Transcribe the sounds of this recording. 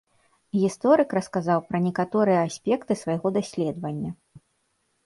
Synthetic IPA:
ɣʲist̪ɔɾɨkɾɐskazawpɾɐnʲɛkat̪ɔɾɨjɐːsʲpʲɛkt̪ɨsvɐjɣɔd̪asʲlʲɛd̪vɐnʲːɐ

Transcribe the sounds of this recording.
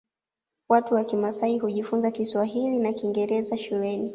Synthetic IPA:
watuwakimasaiɦuʄifunzakiswaɦilinakiŋɡɛɾɛzaʃulɛni

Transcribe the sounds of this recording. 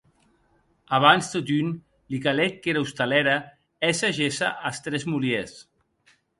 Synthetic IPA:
aβanst̪ot̪yn | likalɛt̪̚keɾaust̪alɛɾa | ɛsaʒesa̰ʔast̪ɾɛzmuljes

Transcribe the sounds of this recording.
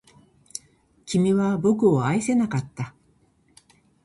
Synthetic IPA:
kʲimʲiβabo̞kɯ̟oaise̞nakat̪ːa

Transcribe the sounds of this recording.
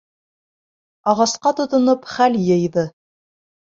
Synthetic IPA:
ɑʁɑsqɑt̪ŏt̪ŏnɤpχæljɤ̆jðɤ

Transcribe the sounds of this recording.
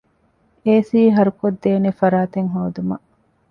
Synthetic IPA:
eːsiːɦɐɾukod̪ːeːnefɐɾaːt̪eŋɦoːd̪umɐ̰ʔ

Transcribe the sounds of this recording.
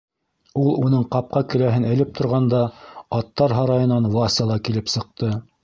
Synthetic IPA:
ulˠunɤɴqɑp̚qɑkɘ̆læɦɘnæ̆lɘp̚t̪ʰŏɾʁɑnd̪ɑɑt̪ːɑɾɦɑɾɑjɤ̆nɑnwɑsɑlˠɑkilɘpsɤ̆q̚t̪ɤ

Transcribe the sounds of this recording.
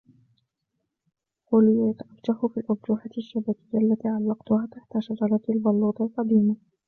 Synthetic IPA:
qʊlɪjat̪ʔabt̪aħʊfiːlʔʊɾˤd͡ʒuːħaʃːabakɪjːaʔlːat̪iːʕalːɑqt̪ʊhaːt̪aħt̪aʃat̪ɑlat̪lbɑlːuːt̪ˤɑlqɑd̪iːma

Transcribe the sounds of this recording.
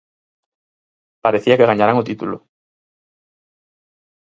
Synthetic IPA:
paɾeθiakeɣaɲaɾaŋot̪it̪ulo

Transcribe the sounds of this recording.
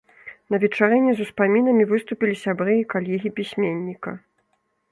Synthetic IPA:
nɐvʲɛt͡ʂaɾɛnʲɛzuspamʲinɐmʲivɨst̪upʲilʲisʲabɾɨikalʲɛɣʲipʲisʲmʲenʲːikɐ

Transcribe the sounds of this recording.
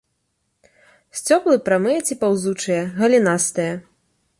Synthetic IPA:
sʲt͡sʲɔplˠɨpɾamɨjɐt͡sʲipawzut͡ʂɨjɐɣɐlʲinast̪ɨjɐ

